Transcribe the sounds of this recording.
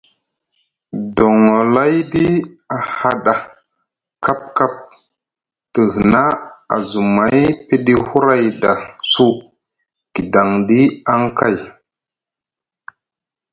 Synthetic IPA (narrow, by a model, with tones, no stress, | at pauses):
do˨ŋo˨la˦jdi˦ | a˨ha˦ɗa˨ | ka˦p̚ka˦p̚ | tə˨hi˨na˦a̰˨zu˨ma˨˦jpe˦di˦hu˦ɾa˦jda˨su˦ | ɡ̥i˨da˨ŋdi˦a˦ŋka˦˨j